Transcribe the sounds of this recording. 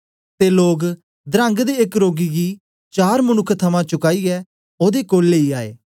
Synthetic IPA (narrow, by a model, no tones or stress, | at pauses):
t̪eːloːɡ | d̪ɾə̃ŋɡd̪eːekɾoːɡiɡiː | t͡ʃaːɾmənʊkʰːt̪ʰəmãt͡ʃʊkaːiɛː | oːd̪ekoːlːeːiaːḛː